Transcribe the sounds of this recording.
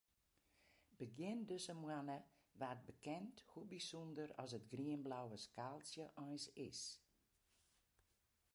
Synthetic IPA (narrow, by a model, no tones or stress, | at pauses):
b̥əɡjɪndøsəmwanə | ʋaːt̚bəkɛnthubisɔndərɔ̰sətɡriənblawəskaːlˠsjəʔɔjsɪ̰s